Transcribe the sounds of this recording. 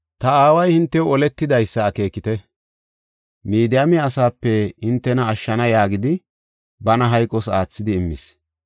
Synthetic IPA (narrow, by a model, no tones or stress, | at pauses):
t̪ɐaːwɐjhɪnt̪ːɛwɔlɛt̪ːɪd̪ɐjsːɐːke̞ːkːɪt̪ɛ | miːd̪ɪjamɪɐsaːpːɛhɪnt̪ːɛnɐːʃːɐnɐjaːɡɪd̪ɪ | bɐnɐɦɐjkʼːɔsaːt͡sːɪd̪ɪːmːɪ̰s